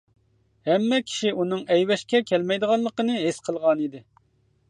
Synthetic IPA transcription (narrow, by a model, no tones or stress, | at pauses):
hɛmːɛkʲʰi̥ʃiunɨŋɛjwɛʃkʲɛkʲʰɛlmɛjd̪əʁɑnlːˠəqənɨɦesqʰəlˠʁɑnid̪ɪ